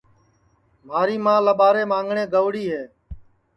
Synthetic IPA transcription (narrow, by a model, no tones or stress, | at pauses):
m̤aːɾiːmãːləɓaːɾeːmãːŋɡɳeːɡəʋɽiːɦeː